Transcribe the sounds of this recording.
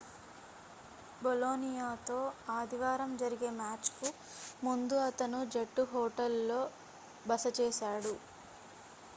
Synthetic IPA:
boloːnijaːt̪o̞ːaːd̪iʋaːɾɐmd͡ʒɐɾiɡe̞ːmaːt͡ʃku | mund̪uɐt̪ɐnud͡ʒeʈːuɦɔːʈɐlːo̞ː | bɐsɐt͡ʃeːsaːɽu

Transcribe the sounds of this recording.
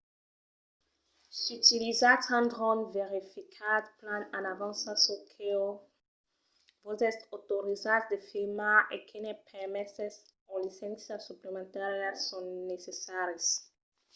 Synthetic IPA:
syt̪ilizatãnd̪ʁɔ̃nveʁifikʰad̪plãnãnavɑ̃nsasokʰeo | vozɛsotoʁizatd̪efimaʔekʰenepʰɛʁmɛsɛs | ɔ̃lisɛ̃nsiasuplemɑ̃nt̪aʁɛsɔ̃nesesaʁes

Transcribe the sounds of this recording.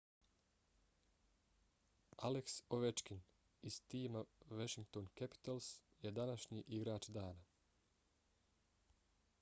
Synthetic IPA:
aleksoʋet͡ʃkin | iz̥t̪iːmaʋaʃiŋk̚t̪oːnkɛpi̥t̪als | jed̪anaʃɲiʔiɡɾaːt͡ʃd̪aːna

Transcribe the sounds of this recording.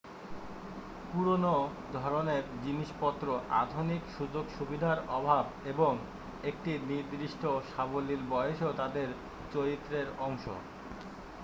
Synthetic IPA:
puɾonod̪ʱɔɾoneɾd͡ʑiniʃpɔt̪ːɾoʔa̰d̪ʱunikʃud͡ʑoɡʃubid̪ʱaɾɔbʱabeboŋ | ekʈiniɾd̪ɾiʃʈoʃabolilbɔjeʃot̪ad̪eɾ | t͡ɕoɾit̪ːɾeɾɔŋʃo̰

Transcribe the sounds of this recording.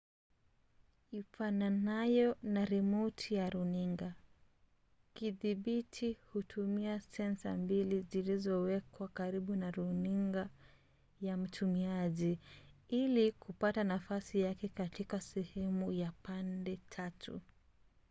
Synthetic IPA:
ifananajɔnaɾɛmɔtʰijaɾuniŋɡa | kiðiɓitʰihutʰumiasɛnsa̰mbilizilizɔwɛkwakaɾiɓunaɾuniŋɡa | jam̩tʰumiaʄiilikupatanafasijakɛkatikasɛhɛmujapandɛtʰatʰṵ

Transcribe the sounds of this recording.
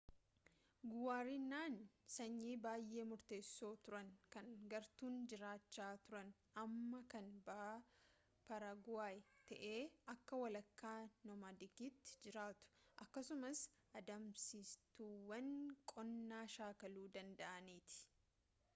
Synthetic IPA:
ɡʊwaːɾinːaːnsɐɲːiːbaːjːʔe̞ːmʊɾt̪e̞ːsːoːt̪ʊɾɐŋkɐŋɡɐɾt̪uːnd͡ʒɪɾaːt͡ʃːaːt̪ʊɾɐn | ɐmːɐkɐnbɐ | pɐɾɐɡwaːjt̪ɐʔeːɐkːɐwɐlɐkːaːnɔmad̪ɪkiːt̪ːɪ̥d͡ʒɪɾaːt̪ʊ̥ʔɐkːɐsʊmɐs | ʔɐd̪ɐmsist̪uːwɐnkʼɔnːaːʃaːkɐluːd̪ɐnd̪ɐʔɐniːt̪ɪ̥

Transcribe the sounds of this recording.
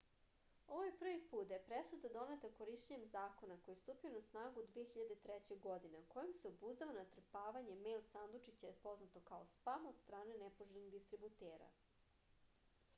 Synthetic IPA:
o̞ʋojepr̩ʋipuːt̪d̪apɾesud̪ad̪o̞ne̞t̪ako̞ɾiʃt͡ɕeɲemzaːkonako̞jest̪uːpionasnaːɡud̪ʋijexiʎad̪et̪ɾet͡ɕe̞ɡo̞d̪ineko̞jimseobuzd̪aʋonat̪r̩paːʋaɲe̞meːlsand̪ot͡ʂit͡ɕapo̞znat̪o̞kaospamaod̪st̪ɾaːnenepoʒeniɣd̪ist̪ɾibut̪eːɾa̰

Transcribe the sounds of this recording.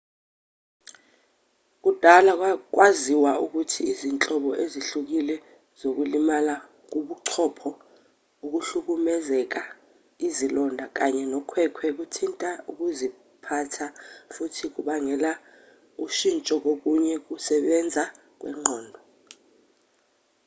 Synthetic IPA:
k̬ud̥ʱalak̬wak̬waziwauk̬utʰiːzint͡ɬʼɔɓɔʔeziɬuk̬ilɛ | z̥ok̬ulimala | k̬uɓuǀʰɔpʰɔ | uk̬uɬuk̬umɛzɛk̬a | izilɔndʱak̬aɲɛnɔkʰwɛkʰwɛk̬utʰintʼauk̬uzi | pʰatʰafutʰik̬uɓaŋɛla | uʃint͡ʃʼɔk̬ok̬uɲɛk̬usɛɓɛnd͡zʱa | k̬wɛ̰ŋ͡ǃʱɔːndʱɔ

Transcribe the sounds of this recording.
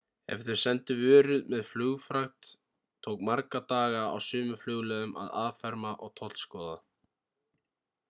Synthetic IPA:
ɛ̰fθʏɾ̥sɛnt̪ʏvœːɾʏðmɛðflʏːɣfɾaxt̪ʰː | oːwkmaɾkat̪aːɣaa̰wsʏːmʏflʏɣlɛðʏma̰ðaːðfɛɾmaʔɔɣt̪ʰɔt̪lskɔːða

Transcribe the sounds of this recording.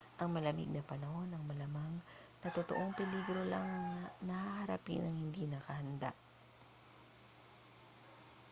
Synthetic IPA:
ʔɐŋmɐlɐmḭɡ̚nɐpɐnɐho̞nɐŋmɐlɐmaŋnɐt̪ot̪o̰ʔo̞ŋpɪliɡɾo̞laŋɐnɐhahɐɾɐpḭnɐŋhɪnd̪inɐkɐhɐnd̪a̰ʔ

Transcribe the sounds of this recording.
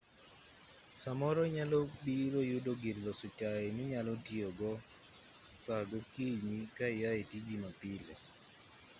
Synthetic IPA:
samɔɾɔɲalɔbiɾojʊdoɡɪɾd̪ɔsʊt͡ʃaenɪɲalɔtioɡɔ | saɡɔkiɲikaɪjaetid͡ʒimapɪlɛ̰

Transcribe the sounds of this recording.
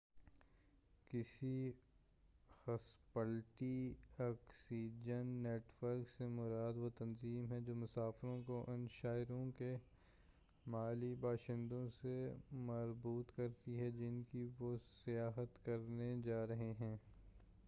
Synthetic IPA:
kɪsi | xɐspəlʈiɔːksiːd͡ʒənːeːʈʋəɾksemʊɾaːd̪ʋot̪ɐnziːmɦɛd͡ʒoːmʊsaːfɾõkoʔʊnʃaːɪɾõke | maːlibaːʃɪ̃nd̪õsemɐɾbuːt̪kɐɾt̪iɦɛd͡ʒɪnkiʋosɪjaːɦət̪kɐɾned͡ʒaːɾɐɦeɦɛ̃ː

